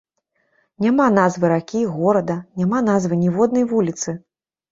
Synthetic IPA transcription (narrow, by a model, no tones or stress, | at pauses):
nʲamanazvɨɾakʲiɣɔɾɐd̪ɐnʲamanazvɨnʲɛvɔd̪̚nɐjvulʲit̪sɨ